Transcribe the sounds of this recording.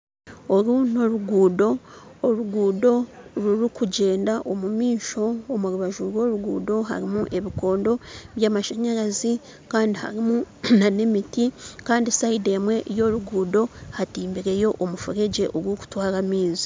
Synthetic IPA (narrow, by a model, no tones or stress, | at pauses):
oɾuno̞ɾuɡuːdo̞ːɾuɡuːdo̞ɾuɾikuɟe̞ːndaʔo̞mumiːʃo̞ːmuɾuβaʒuɾwo̞ːɾuɡuːdo̞ɦa̰ɾimuʔe̞βiko̞ːndo̞βjaːmaʃeɲeɾazi | kaːndiha̰ɾimunane̞mitikaːndisaide̞mwe̞ʔjo̞ɾuɡuːdo̞hatiːmbiɾe̞jo̞ʔomufuɾe̞ɟe̞ʔoɡwoːku̥twaːɾamiːzi̥